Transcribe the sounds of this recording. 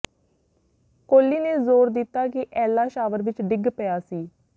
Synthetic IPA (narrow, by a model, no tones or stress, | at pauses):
koːlːiːneːzoːɾd̪ɪt̪ːaːkɪʔɛːlaːʃaːʋəɾʋɪt͡ʃɖɪɡpəjaːsiː